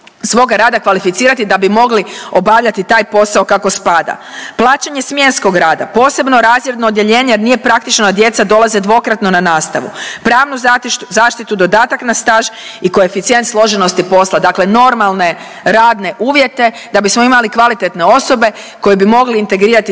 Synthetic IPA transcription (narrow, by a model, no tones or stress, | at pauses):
sʋo̞ɡaɾaːd̪akʋalifit̪siːɾat̪id̪abimo̞ɡlio̞baʋʎat̪it̪aːjpo̞sao̞kako̞spad̪a̰plˠaːt͡ʃaɲe̞smje̞nsko̞ɡɾaːd̪a̰po̞ːse̞bno̞ɾaːzje̞d̪no̞ːd̪je̞ʎe̞ːɲejeɾnije̞pɾakt̪it͡ʃnoad̪je̞t̪sad̪o̞laze̞d̪ʋo̞kɾat̪no̞nanaːst̪aʋṵpɾaːʋnuzaːʃt̪it̪ud̪o̞d̪aːt̪aknast̪aːʒ | ikojefit̪sije̞nt̪slˠo̞ʒe̞no̞st̪ipo̞slad̪akle̞no̞ɾmalˠne̞ | ɾaːd̪ne̞ʔuːʋje̞t̪e̞ | d̪abismo̞imalikʋalit̪e̞t̪neo̞so̞be̞ | ko̞jebimo̞ɡliːnt̪e̞ɡɾiːɾat̪i